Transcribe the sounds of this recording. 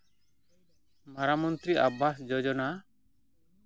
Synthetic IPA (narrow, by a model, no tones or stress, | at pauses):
maɾamɔnt̪ɾiʔabasd͡ʒɔd͡ʒɔna